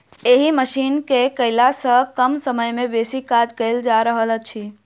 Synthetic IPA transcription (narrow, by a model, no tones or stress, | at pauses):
eɦiməʃinkekəɪlasə̃kəmsəməjmebesikad͡ʒkəɪld͡ʒaɾəɦələt͡ʃʰi